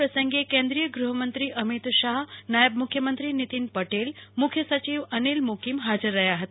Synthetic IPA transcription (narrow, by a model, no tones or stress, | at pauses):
ɾəsəŋɡekẽnd̪ɾijəɡɾuɦəmənt̪ɾiʔəmit̪ʃaɦnajəb̚mukʰːjəmənt̪ɾinit̪inpəʈelmukʰːjəsət͡ɕiʋənilmukimɦad͡ʒəɾːɐɦjaɦət̪a